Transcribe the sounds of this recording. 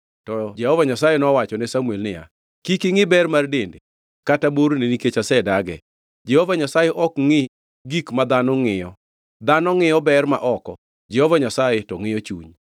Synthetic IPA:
tɔd͡ʒɛhɔvaɲasajɛnɔwat͡ʃɔnɛsamwelnɪja̰ | kikɪŋɪbɛrmardendɪ | kataboɾneniket͡ʃasɛdaɡɛ̰ | d͡ʒɛhɔvaɲasajɛʔɔkŋɪ | ɡikmad̪anɔŋɪjɔ | d̪anɔŋɪjɔbɛrma̰ʔɔkɔ̰ | d͡ʒɛhɔvaɲasajɛtɔŋɪjɔt͡ʃṵɲ

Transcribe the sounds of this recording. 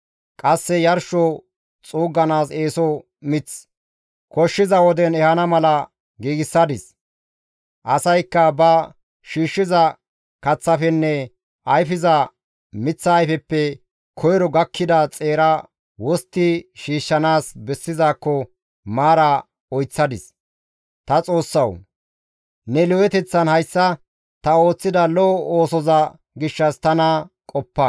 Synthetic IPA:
kʼɐsːɛjɐɾʃɔ | t͡sʼuːɡːɐnaːseːsɔ | mɪt͡s | kɔʃːɪzɐwɔd̪ɛnɛhɐnɐmɐlɐ | ɡiːɡɪsːɐd̪ɪs | ʔɐsɐjkːɐbɐ | ʃiːʃːɪzɐ | kɐt͡sːɐfɛnːɛ | ʔɐjfɪzɐ | mɪt͡sːɐːjfɛpːɛ | kʰɔjɾɔɡɐkʰːɪd̪ɐt͡sʼeːɾɐ | wɔst̪ːɪʃiːʃːɐnaːsbɛsːɪzaːkːɔ | maːɾɐ | ɔjt͡sːɐd̪ɪs | t̪ɐt͡sʼo̞ːsːɐw | nɛlɔɛt̪ɛt͡sːɐnhɐjsːɐ | t̪ɐo̞ːt͡sːɪd̪ɐlɔɔoːsɔzɐ | ɡɪʃːɐst̪ɐnɐkʼɔpːɐ

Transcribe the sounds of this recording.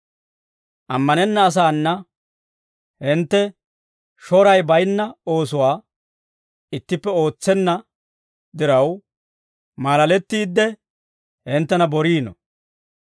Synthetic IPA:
ʔɐmːɐnɛnːɐːs̬aːnːɐ | hɪnt̪ːɛ | ʃɔɾɐjbɐjnːɐo̞ːsʊwaː | ɪt̪ːɪpːɛo̞ːt͡sːɛnːɐ | d̪ɪɾɐw | maːlɐlɛt̪ːiːd̪ːɛ | hɪnt̪ːɛnɐbɔɾiːnɔ̰

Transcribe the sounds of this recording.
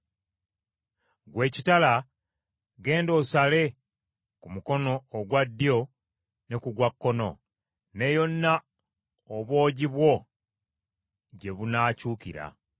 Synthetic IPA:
ɡwe̞ːcitala | ɡe̞ːndo̞ːsale̞ | kumuko̞no̞ːɡwadːjo̞ | nekuɡwakːo̞no̞̰ | ne̞jo̞nːa | oβwo̞ːɟiβwo̞ | ɟe̞βunaːcuːkḭɾa̰

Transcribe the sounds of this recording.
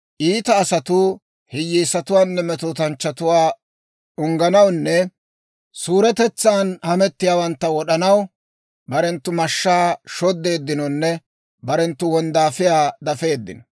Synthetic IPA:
ʔiːt̪ɐːsɐt̪ʊ | hɪjːiːsɐt̪ʊwaːnːɛmɛt̪uːt̪ɐnt͡ʃːɐt̪ʊwaː | ʊŋɡɐnɐwnːɛ | suːɾɛt̪ɛt͡sːaːnhɐmɛt̪ːɪjaːwɐnt̪ːɐwɔɗɐnɐw | bɐɾɛnt̪ːʊmɐʃːaːʃɔd̪ːe̞ːd̪ːɪnɔnːɛ | bɐɾɛnt̪ːʊwɔnd̪aːfɪjaːd̪ɐfe̞ːd̪ːɪ̰nɔ

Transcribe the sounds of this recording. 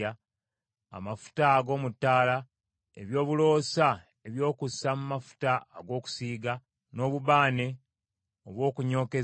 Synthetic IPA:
a | a̰mafu̥taɡo̞ːmutːaːla | ḛβjo̞ːβulo̞ːsa | eβjo̞ːkusamumafu̥ta̰ːɡo̞ːku̥siːɡa | no̞ːβuβaːne̞ | oβwo̞ːkuɲo̞ːke̞

